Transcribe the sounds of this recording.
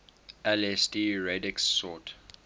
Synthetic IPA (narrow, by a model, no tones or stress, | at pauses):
ɛlɛstiɹɛdɪksːɔt